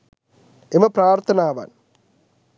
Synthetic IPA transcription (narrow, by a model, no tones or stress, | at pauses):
emɐpɾaːɾt̪ʰɐnaːʋa̰ːn